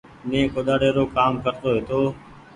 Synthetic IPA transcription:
nẽːkoːɗ̪aːɽeːɾoːkaːmkəɾt̪oːɦeːt̪oː

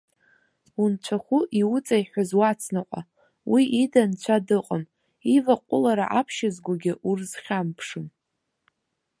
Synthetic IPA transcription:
unt͡ɕʷʰaχʷʊʔiwʊt͡sʼaiħʷazwat͡sʰnaqʷʼa̰ | wiʔidant͡ɕʷʰadɨqʼəm | ivaqʷʼʊlaɾaʔapʰʃɪzɡʷaɡʲɪʔurzχʲampʰʂɨm

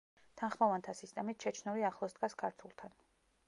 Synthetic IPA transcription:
t̪ʰanχmɔvant̪ʰasist̪ʼɛmit̪ʃɛt͡ʃʰnuliaχlˠɔsd̪ɡaskʰaɾt̪ʰulˠt̪ʰan

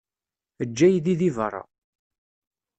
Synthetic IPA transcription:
əd͡ʒːæjðiðivərˤːɑ̰

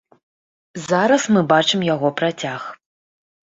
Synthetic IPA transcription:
zaɾɐsmɨbat͡ʂɨmjaɣɔpɾat͡sʲax

